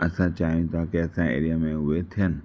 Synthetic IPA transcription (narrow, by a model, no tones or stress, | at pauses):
ɐsãt͡ɕaːɦijũt̪ʰakeɐsãḛːɾijamẽɦʊet̪ʰijənɪ